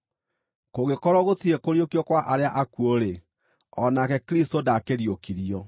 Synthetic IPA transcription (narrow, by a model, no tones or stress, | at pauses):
koɣekɔɾɔɣotiɾekoɾjokiɔkwaʔaɾeaʔakuoɾe | ɔnakɛkɾistodakeɾjokiɾiɔ